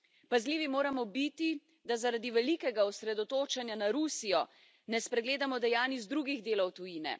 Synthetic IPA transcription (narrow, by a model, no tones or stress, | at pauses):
pazliːʋimoːɾamɔbit̪i | d̪azaɾad̪iʋɛlikɛɡaɔsɾɛd̪ɔt̪oːt͡ʃanjanaɾusijɔ | nɛspɾɛɡleːd̪amɔd̪ɛjaːnizd̪ɾuːɡiɣd̪eːlɔwt̪ujiːnɛ̰